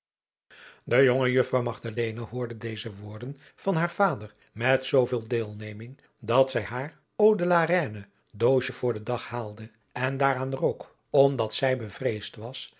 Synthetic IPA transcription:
dəjoŋəjɵfrɑwmɑχdalejnaɦʊːɹdədejzəʋʊːɹdən | v̥ɑnɦaːɹv̥aːdər | mɛtsowvɪːlˠdeːlˠnejmɪŋ | dɑtsɛjɦaːr | owdəlaːɾɛːnə | dowʃəv̥ʊːɹdədɑχhaːlˠdə | ɛndaːɾaːnrok | ɔmdɑtsɛjbəvrejstʋɑs

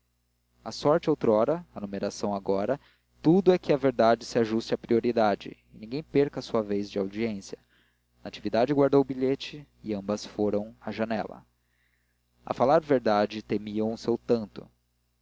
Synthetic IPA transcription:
asɔɾt͡ʃɪowt̪ɾɔɾɐaːnumeɾasɐ̃w̃aɡɔɾɐ | t̪ud̪ʊɛkɪɐveɾd̪ad͡ʒɪsɪaʒust͡ʃapɾioɾid̪ad͡ʒɪ̰ɪnĩɡẽj̃peɾkɐsuɐvejzd͡ʒɪawd͡ʒiẽsjɐ | nat͡ʃivid̪ad͡ʒɪɡwaɾd̪owʊbiʎet͡ʃɪː | ɐ̃mbɐsfoɾɐ̃w̃ɐʒɐnɛ̰lɐ̰ | ɐ̰falaɾveɾd̪ad͡ʒɪt̪emiɐ̃w̃ʊsewt̪ɐ̃nt̪ʊ̰

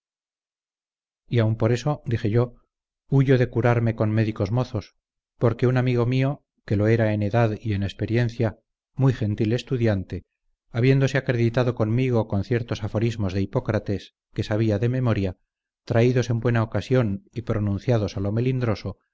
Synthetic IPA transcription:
iaumpo̞ɾe̞so̞d̪ixe̞ʝo | uʝo̞ðe̞kuɾaɾme̞ko̞nme̞ðiko̞zmo̞θo̞s | po̞ɾke̞unamiɣo̞mio̞ | ke̞loe̞ɾae̞ne̞ðaðie̞ne̞spe̞ɾje̞n̟θja | mujxe̞nt̪ile̞st̪uðjant̪e̞ | aβje̞nd̪o̞se̞akɾe̞ðit̪aðo̞konmiɣ̞o̞ko̞nθje̞ɾt̪o̞safo̞ɾizmo̞zðeipo̞kɾat̪e̞s | ke̞saβ̞iaðe̞me̞mo̞ɾja | t̪ɾaiðo̞se̞mbwe̞naokasjo̞nipɾo̞nũnθjað̞o̞salo̞melind̪ɾo̞so̞

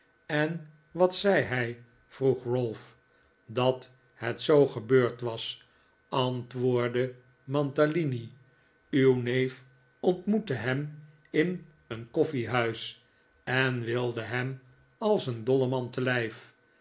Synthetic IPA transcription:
ɛn | ʋɑtsɛjɦɛj | v̥ruχɹølˠf | dɑt | hɛtsowχəbøːɹtʋɑs | ɑntʋʊːɹdə | mɑntalini | ywnejf | ɔntmutəɦɛm | ɪn | ənkɔfiɦœɥs | ɛnʋɪlˠdəɦɛm | ɑlˠsəndɔləmɑntəlɛjf

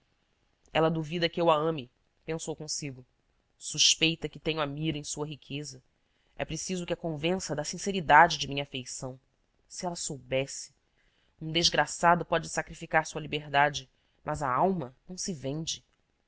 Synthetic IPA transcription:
ɛlɐd̪uvid̪ɐkɪewaɐ̃mɪ | pẽsowkõsiɡʊ | suʃpejt̪ɐkɪt̪ẽɲʊamiɾɐẽj̃suɐɦikʰezɐ | ɛ̰pɾesizʊkɪɐkõvẽsɐd̪ɐsĩseɾid̪ad͡ʒɪd͡ʒɪmĩɲɐafejsɐ̃w̃ | sɪɛlɐsowbɛsɪ̥ | ũd̪eʒɡɾasad̪ʊpɔd͡ʒɪsakɾifikaɾsuɐlibeɦd̪ad͡ʒɪ | mʔɐzɐawmɐnɐ̃w̃sɪvẽnd͡ʒɪ

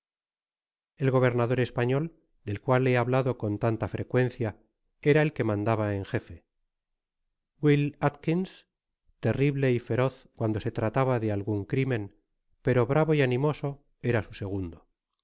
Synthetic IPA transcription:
e̞lɣo̞β̞e̞ɾnaðo̞ɾe̞spaɲo̞l | d̪e̞lkwalːeaβlaðo̞ko̞nt̪ant̪afɾe̞kwe̞nθja | e̞ɾae̞lke̞mãnd̪aβaeŋxe̞fe̞ | ɡwilat̪kins | t̪e̞riβle̞ife̞ɾo̞θkwand̪o̞se̞t̪ɾat̪aβaðe̞alɣuŋkɾimẽ̞n | pe̞ɾo̞βɾaβo̞ianĩmo̞so̞ | e̞ɾasuse̞ɣ̞und̪o̞

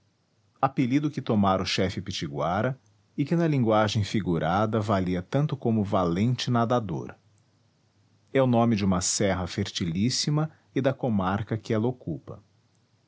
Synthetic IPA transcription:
apelid̪ʊkɪt̪omaɾʊʃɛfɪpit͡ʃiɡwaɾɐ | ɪkɪnɐlĩŋɡwaʒẽj̃fiɡuɾʔad̪ɐvaliɐt̪ɐ̃nt̪ʊkõmʊvalẽnt͡ʃɪnad̪ad̪o̰ɾ | ɛʊnõmɪd͡ʒɪũmɐsɛɦɐfeɾt͡ʃilisimɐ | ɪd̪ɐkomaɾkɐkɪɛlɐokupɐ̰

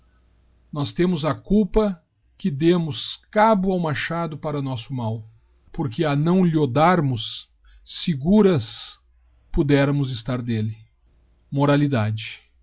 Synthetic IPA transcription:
nɔst̪ẽmʊzɐkuwpɐ | kɪd̪ẽmʊskabʊawmaʃad̪ʊpaɾɐʊnɔsʊmaw | poɾkɪɐnɐ̃w̃lɪod̪aɾmʊsː | ɪɡuɾɐs | pod̪ɛɾɐmʊzɪst̪aɾd̪elɪ | moɾalid̪ad͡ʒɪ

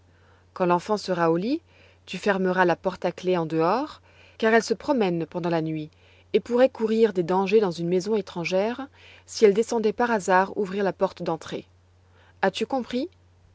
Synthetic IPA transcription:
kɑ̃lɑ̃fɑ̃səʁaoli | t̪yfɛʁməʁalapɔʁt̪akleɑ̃d̪əɔʁ | kaʁɛlsəpχɔmɛnpɑ̃d̪ɑ̃lanɥi | epuʁɛkuʁiʁd̪ed̪ɑ̃ʒed̪ɑ̃zynmezɔ̃et̪χɑ̃ʒɛʁ | siɛld̪esɑ̃d̪ɛpaʁazaʁṵvʁiʁlapɔʁt̪d̪ɑ̃t̪χḛ | at̪ykɔ̃pχi

